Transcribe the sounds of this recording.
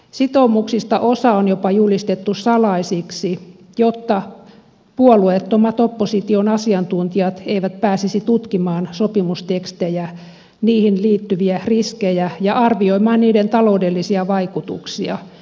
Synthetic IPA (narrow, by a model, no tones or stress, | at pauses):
sit̪oumuksist̪ɑʔosɑonjopɑjulist̪et̪ːussɑlɑisiksi | jot̪ːɑ | puoluet̪ːomɑt̪opːosit̪ionɑsiɑnt̪unt̪iɑt̪eiʋæt̪pæːsisit̪ut̪kimɑːnsopimust̪ekst̪ejæ | niːhinliːt̪ːyʋiæriskejæjɑɑrʋioimɑːnniːdent̪ɑloudelːisiɑʋɑikut̪ṵksiɑ̰